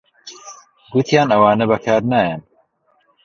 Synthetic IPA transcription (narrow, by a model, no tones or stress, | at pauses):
ɡut̪ʰjaːnɐwaːnɐbɐkʰaːɾnaːjɛn